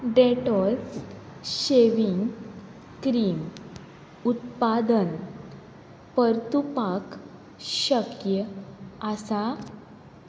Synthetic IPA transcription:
ɖeʈɔl | ɕeʋiŋɡ | kɾiːm | ut̪pad̪ən | pəɾt̪upak | ɕəkjəasa

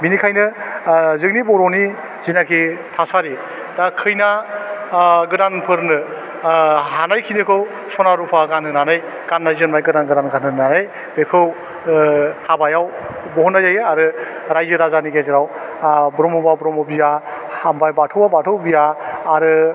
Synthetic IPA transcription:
minikʰajnɯ | zɯŋnibɔɾɔni | zinakʰitʰasaɾi | dakʰɯjna | ɡɯdanpʰɯɾnɯ | ɦanajkʰinɯkʰɯw | sɔnaɾupʰaɡanɦɯnanɯj | ɡ̥anːajzɯnmajɡɯdanɡɯdanɡanɯnanɯj | bekʰɯw | habajaw | bɔhɔnːajzajaɾɯɾajzɯɾazaniɡezɯɾawbɾɔmɔbabɾɔmɔbija | hambajbatʰɯwabatʰɯwbijaːɾɯ

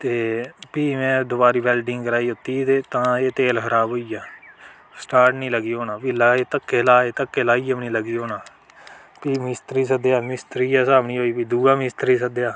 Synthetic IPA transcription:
t̪eːpiːmɛ̃ːd̪ʊbaːɾiːbɛːlɖɪŋɡkəɾaːiːʊt̪iːt̪eːt̪ãːeːt̪eːlkʰəɾaːbɦoːiːaː | sʈaːɾʈnĩːləɡiːɦoːnaːpiːlaːeːt̪əkːeːlaːeːt̪əkːeːlaːiːəpnĩːləɡiːɦoːnaː | piːmɪst̪ɾiːsəd̪eːaːmɪst̪ɾiːaːsaːʋɳiːɦoːiːpiːd̪uːaːmɪst̪ɾiːsəd̪ejaː

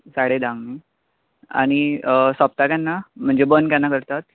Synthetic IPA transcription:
saɽed̪ãŋɡni | a̰ɽ̃isap̚t̪akjanːam̤əɳd͡ʑebənkjãnːakəɾt̪at̪̚

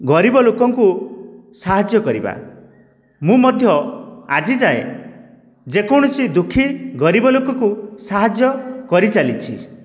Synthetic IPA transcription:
ɡɔɾibɔlokɔŋkusaɦad͡ʒjɔkɔɾiba̰ | mũmɔd̪ʱjɔad͡ʒid͡ʒae | d͡ʒekɔɽ̃ɔsid̪ukʰːiɡɔɾibɔlokɔkusaɦad͡ʒjɔkɔɾit͡ʃalit͡ʃʰi

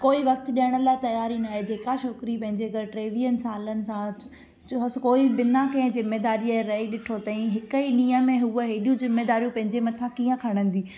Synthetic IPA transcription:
koːiʋɐk̚t̪ɗijəɽ̃əlat̪ɐjaːɾinaːɦed͡ʑeːkaʃoːkɾipɐ̃ɦɪ̃ɲd͡ʑeɐɡɐɾʈɾeːʋijənɪsaːlənɪ̆sã | koːiɓɪnakɐ̃ɦɪ̃zɪmːeːd̪aːɾieɾɐiɗɪʈʰot̪ɐĩɦɪkəiɗĩːə̃mẽɦuəɦeːɗijũzɪmːeːd̪aːɾijũpɐ̃ɦɪ̃ɲd͡ʑemɐt̪ʰãkiːə̃kʰɐɽ̃ə̃n̆d̪iː

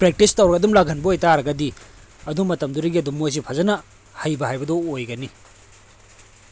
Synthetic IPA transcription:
pɾek̚tistawɾɐɡɐdumlaɡʱɐnbɐojtaɾɐɡɐdi | ɐdumɐtɐmduɾɐɡiɐdumːojs̬ipʰazɐnɐ | hɐjbɐɦajbɐdɔojɡɐni

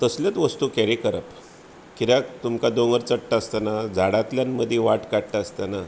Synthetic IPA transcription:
t̪əsljət̪ʋəst̪ukɛɾikəɾəp | kiɾjakt̪umkad̪oŋɡəɾt͡səɽʈaːst̪anad͡zʱaɽat̪ljanməd̪ʱjeʋaʈkaɽʈ̪aːst̪ana

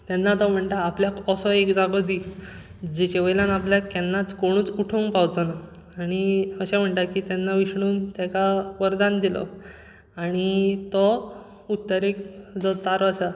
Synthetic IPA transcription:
t̪jɛnːat̪ɔm̤əɳʈ̪aːpljakɔsɔekd͡zaɡɔd̪i | d͡ʑet͡ɕeʋəjlãnapljakːɛnːat͡skoɽ̃uːt͡suʈʰoŋɡpawd͡zana | aɽ̃iəɕãm̤əɳʈakit̪ɛnːaʋiɕɳuːmt̪jakaʋəɾd̪and̪ilɔ̰ | aɽ̃it̪ɔ | ut̪ːəɾekd͡zɔt͡s̪aɾəsa

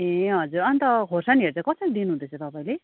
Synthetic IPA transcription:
ẽɦʌd͡zuɾʌnit̪ʌkʰorsaniɦeɾt͡sʰʌkʌsʌlid̪inuɦũnd̪et͡sʰot̪ʌpaĩle

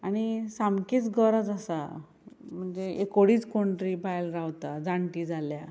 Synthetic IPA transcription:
aɽ̃isamkiːt͡sɡəɾad͡zasa̰ | m̤əɳd͡zeekoɽiːt͡skoɳʈɾiːbajlɾawt̪ad͡zaɳʈiːd͡zʱalja

